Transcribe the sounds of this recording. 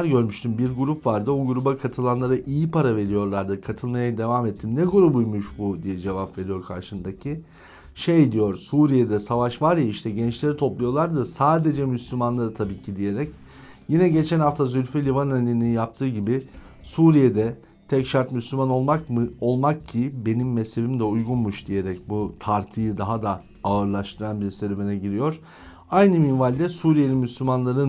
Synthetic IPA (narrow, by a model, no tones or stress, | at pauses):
ɾɟø̞ɾmyʃt̪ʰymbiɾɡuɾupvaɾd̪ɯoɡuɾubakʰat̪ʰɯlˠanlˠaɾaʔijipaɾave̞ɾijo̞ɾlˠaɾd̪ɯkʰat̪ʰɯlˠmajad̪e̞vamɛt̪ʰːimnɛkʰo̞ɾubujmuʃbud̪ijɛd͡ʒe̞vapve̞ɾijo̞ɾkʰa̰ɾʃɯnd̪acʰi | ʃejd̪ijoɾsuːɾijed̪ɛsavaʃvaɾjaiʃt̪ʰɛɟɛnt͡ʃlʲe̞ɾit̪ʰo̞plˠujo̞lˠaɾd̪ɯsaːd̪e̞d͡ʒɛmyslʲymanlˠaɾɯt̪ʰabiːcʰid̪ije̞ɾɛc | jinɛɟe̞t͡ʃʰɛnhaft̪ʰazylʲfylʲivanalʲinijap̚t̪ʰɯːɟibɪ | suːɾijed̪ɛ | t̪ʰɛcʃaɾt̪myslʲymano̞lˠmakmɯo̞lˠmakcʰibe̞nimːɛshe̞bimd̪ɛujɡunmuʃd̪ije̞ɾɛcbut̪ʰaɾt̪ʰɯjɯd̪aɦad̪a | aɯɾlˠaʃt̪ʰɯɾanbiɾseɾebenɛɟiɾijo̞ɾ̥ | ajnɯminvalʲd̪ɛsuːɾijelʲinmyslʲymanlˠaɾɯn